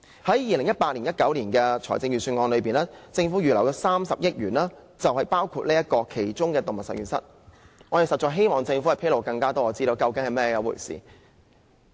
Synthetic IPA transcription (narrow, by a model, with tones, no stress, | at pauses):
hɐ˨˥jjiː˨lɪ˨˩ŋjɐ˥t̚paː˧t̚liː˨˩njɐ˥t̚kɐ˨˥wliː˨˩nkɛː˧t͡sʰɔː˨˩t͡sɪ˧ŋɥyː˨˩syː˧ŋɔː˧nlɵ˨˧ɥpiː˨naː˥t͡sɪ˧ŋfu˨˥jyː˨˩lɐ˨˩wkɛ˧saː˥msɐ˨p̚jɪ˥t̚jyː˨˩naː˥ | t͡sɐ˨whɐ˨jpaː˥wkʰuː˧t̚liː˥jɐ˥t̚kɔː˧kʰe˨˩jt͡sʊ˥ŋkɛː˧t̪o˨˩ŋmɐ˨˩sɐ̰˨jɥyː˨˩nsɐ̰˥t̚ | ŋɔː˨˧je˨wsɐ˨t̚t͡ʃɔː˨˩jɦe˥jmɔː˨˩ŋt͡sɪ˧ŋfu˨˦˥ɐ˨jpʰe˥lo˨wkɐ˧ŋkaː˥t̪ɔː˥ɔː˨˧t͡siː˥t̪o˧wkɐ˧wkɪ˨˥ŋhɐ˨˩jmɛː˥jɛ˧jɐ˨˧wṵ˨˩jsḭː˨˩